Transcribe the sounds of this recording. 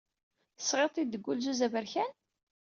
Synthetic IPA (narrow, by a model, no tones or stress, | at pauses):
ə̥sʁet̪ˤid̪ːəɡʷːulzuzævəɾçæn